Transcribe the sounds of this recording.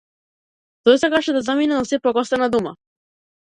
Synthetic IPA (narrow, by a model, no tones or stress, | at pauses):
t̪ɔjsakaʃɛd̪azaminɛnasɛpɾɔɡɔst̪ɛnad̪uma̰